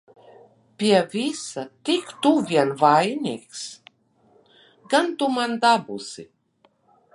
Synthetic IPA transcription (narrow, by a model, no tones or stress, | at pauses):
pʲiɛvʲisat̪ikt̪uvʲiɛnvajniːks | ɡant̪umand̪abusḭ